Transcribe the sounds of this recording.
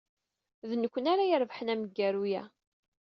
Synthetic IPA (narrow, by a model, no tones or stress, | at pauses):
ðnəkʷːənæɾæjəɾˤvħənæməɡːæɾujæ̰